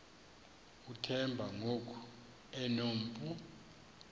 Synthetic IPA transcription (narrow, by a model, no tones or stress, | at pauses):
utʰɛmbʱaŋokʰu̥ | ɛnom̩pʼu